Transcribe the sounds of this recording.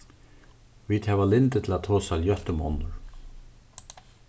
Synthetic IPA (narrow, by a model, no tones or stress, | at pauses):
vid̪hɛːvalɪnt̪ɪt̪ʰɪlat̪ʰɔːsaljœht̪ʏmɔ̰nʊɹ